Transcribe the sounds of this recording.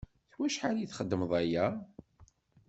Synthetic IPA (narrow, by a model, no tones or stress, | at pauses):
θwæʃħaɾæjiθχəd̪ːəmðˤæjæ